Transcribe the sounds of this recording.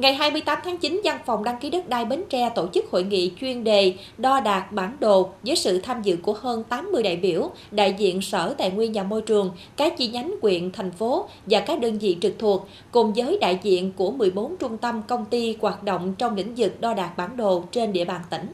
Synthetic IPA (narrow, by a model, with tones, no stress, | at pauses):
ŋa˨˩jɦaː˧jmɨ˧əjt̪aː˨˦mt̪ʰaː˨˦ŋt͡ɕi˨˦nza˧nfɔ˨˩wŋ͡mɗaː˧ŋki˨˦ɗə˦˥t̚ɗaː˧jɓe˨˦nt͡ɕɛ˧t̪o˧˩t͡ɕɨ˦˥k̚ho̰˧˨jŋḭ˧˨t͡ɕwi˧ənɗe˨˩ | ɗɔ˧ɗaː˨˩t̚ɓaː˧˩nɗo˨˩zəː˨˦jsɨ̰˧˨t̪ʰaː˧mzɨ̰˧˨ku˧˩əhəː˧nt̪aː˨˦mːɨ˧əjɗa̰ː˧˨jɓi˧˩əw | ɗa̰ː˧˨jzḭ˧˨ənsəː˧˩t̪a̰ː˧˨jŋwi˧ənɲaː˨˩mo˧jt͡ɕɨ˨˩əŋkaː˨˦˥t͡ɕi˧ɲa˨˦jŋ̟kwḭ˧˨ənt̪ʰa˨˩jŋ̟fo˨˦ | vaː˨˩kaː˦˥k̚ɗəː˧nzḭ˧˨t͡ɕɨ˨˩k̚t̪ʰu˨˩ək̚ːʊ˨˩ŋ͡mzəː˨˦jɗa̰ː˧˨jzḭ˧˨ənku˧˩əmɨ˨˩əjɓo˨˦nt͡ɕʊ˧ŋ͡mt̪ə˧mkə˧wŋ͡mt̪i˧ɣwaː˨˩t̚ɗo̰˧˨wŋ͡mt͡ɕɔ˧wŋ͡mlḭ˧˥ŋ̟zɨ˨˩k̚ɗɔ˧ɗaː˨˩k̚ɓaː˧˩nɗo˨˩t͡ɕe˧nɗḭ˧əɓaː˨˩nt̪ï˧˩ŋ̟